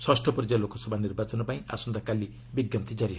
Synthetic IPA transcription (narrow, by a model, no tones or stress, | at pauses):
swasʈʰʌprʌd͡ʒalokosʌbʱanirbat͡sɔnopaĩa̰sund̪akalːi | biɡjʌmt̪id͡zaɾiɦ